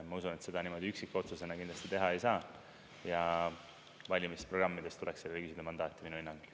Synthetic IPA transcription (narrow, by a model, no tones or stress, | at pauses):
mɑusune̞t̪se̞d̪̥ɑnimo̞d̪iyksikːˑo̞t̪suse̞nɑkind̪lɑst̪it̪e̞ɦɑejsɑː | jɑ | vɑlʲimispro̞ɡ̥rɑmːid̪̥e̞st̪ule̞kselelːekysid̪emɑnd̪ɑːt̪ːˑiminːuinːɑŋɡ̥